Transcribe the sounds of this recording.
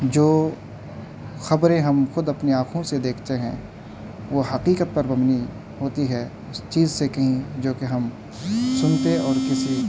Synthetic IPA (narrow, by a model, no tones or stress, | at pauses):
d͡ʒoː | xɐbɾẽɦɐmxʊd̪ɐpniaːkʰõsed̪eːkʰt̪eɦɛ̰̃ː | ʋoːɦɐqiːqət̪̚pɐɾbɐmni | ɦoːt̪iɦɛː | ʊst͡ʃiːzsekɐɦĩd͡ʒoːkeɦɐm | sʊnt̪eɔːɾkɪsi